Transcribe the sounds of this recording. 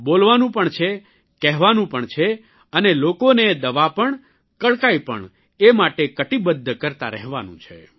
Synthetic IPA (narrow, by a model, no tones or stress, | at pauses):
bolʋanũpəɳt͡ʃʰe | kɛɦʋanũpəɳt͡ʃʰe | ənelokoned̪əʋapəɳ | kəɭkaipə̰ɳ | emaʈekəʈibəd̪ʱːəkəɾt̪a̰ɾɛ̰ɦʋa̰nṵ̃t͡ʃʰḛ